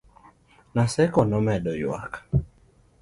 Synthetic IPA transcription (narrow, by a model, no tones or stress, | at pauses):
nasɛkɔnɔmɛɗɔjw̰a̰kḁ